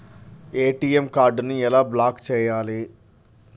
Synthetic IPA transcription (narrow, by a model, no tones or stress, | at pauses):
eːʈijemkaːɾɖniɛlaːblaːkt͡ʃɛːjaːli